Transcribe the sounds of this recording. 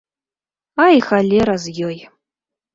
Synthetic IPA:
ajxalʲeɾazjʲoj

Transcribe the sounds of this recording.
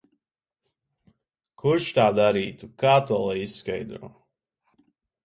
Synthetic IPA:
kʰuʃt̪aːd̪aɾiːt̪ukaːt̪uɔlˠajisskajd̪ɾṵː

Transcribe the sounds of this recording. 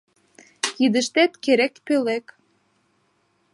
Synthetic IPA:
kid̪ə̆ʃt̪et̪keɾekpølek

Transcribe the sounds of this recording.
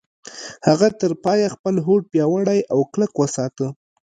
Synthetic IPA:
haɣat̪əɾpɑjaxpəlɦoʈ̚pjɑwəɽajʔawkləkwəsɑt̪ə

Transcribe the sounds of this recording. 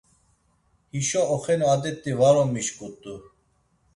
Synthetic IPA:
hiʃɔɔχɛnɔad̪ɛt̪ʼːivaɾɔmiʃkʼut̪ʼu

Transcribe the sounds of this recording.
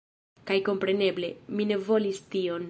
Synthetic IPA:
kajko̞mpɾe̞ne̞ble̞mine̞vo̞listio̞n

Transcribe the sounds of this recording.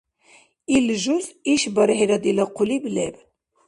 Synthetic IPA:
ilʒuziʃbɑɾiħiɾɑd̪ilɑqʰʊliblɛb

